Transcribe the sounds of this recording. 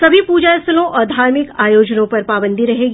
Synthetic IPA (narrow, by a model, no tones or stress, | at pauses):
sɐbʱipuːd͡ʒaɐsəlõʔɔːɾd̪ʱaːɾmɪkaːjoːd͡ʒnõpɐɾpaːbə̃nd̪ʱiɾɐɦeːɡ